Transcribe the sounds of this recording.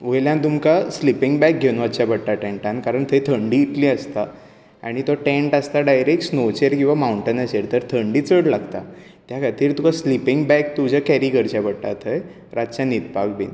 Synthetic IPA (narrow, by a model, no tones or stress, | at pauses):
ʋəjljãt̪umkaslipiŋɡbɛk̚ɡʱenʋət͡ɕjabəɽʈ̪aʈẽɳʈãnkaɾəɳt̪ʰəjt̪ʰəɳɖiːt̪liːəst̪a | a̰ɽ̃it̪ɔʈẽɳʈast̪aɖajɾekʈsnot͡ɕeɾkĩw̃ʋamauɳʈənət͡ɕeɾt̪əɾt̪ʰəɳɖiːt͡səɽlaɡt̪a | t̪jakʰat̪iːɾt̪ukaslipiŋɡbɛk̚t̪ud͡ʑʱakɛɾikəɾt͡ɕapəɽʈat̪ʰəj | ɾat͡ɕanit̪̚pak̚bḛn